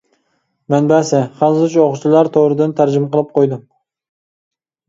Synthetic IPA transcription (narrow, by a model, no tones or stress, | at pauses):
mɛnbæsɪχɑlˠzt͡ʃʰuoχʊt͡ʃʰilˠɑɾt̪ʰoɾɨd̪ɨnt̪ʰæɾd͡ʒɪmqʰəlˠɨp̚qʰojd̪ɨm